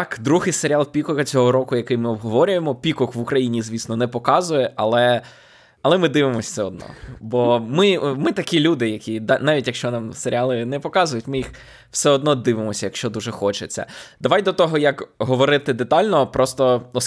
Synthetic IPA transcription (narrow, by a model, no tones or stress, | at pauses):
kd̪ɾuɦɪjseɾʲalˠpʲikɔkɐt͡sʲɔɦɔɾɔkʊjɐkɪjmɪɔbɦɔʋɔɾʲʊjemɔpʲikɔkʋukɾɐjinʲizʲʋʲisnɔnɛpɔkɑzʊjɛʔɐlˠɛ | ɐlˠɛmɪd̪ɪʋɪmɔsʲsɛɔd̪̚nɔ̰bɔmɪmɪt̪ɐkʲilʲud̪ɪjɐkʲid̪anɑʋʲitʲjɐkʃt͡ʃɔnɑmseɾʲɪɑlˠɪnɛpɔkɑzʊjʊtʲmɪjix | wsɛɔd̪nɔd̪ɪʋɪmɔsʲɐjɐkʃt͡ʃɔd̪uʒɛxɔt͡ʃet͡sʲːɐ̰d̪ɐʋajd̪ɔt̪ɔɦɔjɐkɦɔʋɔɾɪt̪ɪd̪et̪ɑlʲnɔpɾʔɔst̪ɔɔ